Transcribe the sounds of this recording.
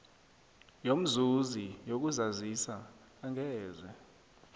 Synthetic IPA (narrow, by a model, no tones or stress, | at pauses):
jom̩zuzijok̬uzazisaː | ŋɛːzɛ